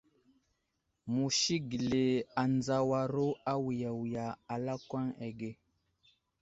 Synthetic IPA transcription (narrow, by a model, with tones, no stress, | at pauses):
mu˨ʃi˦ɡi˨le˨a˨nd͡za˨wa˨ɾo˦a˦wi˨ja˨wja˨a˨la˦kwa˦ŋe˨ɡe˦˨